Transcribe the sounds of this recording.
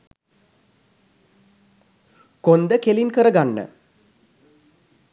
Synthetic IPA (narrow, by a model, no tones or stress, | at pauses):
kond̪əkelinkəɾəɡanːə̰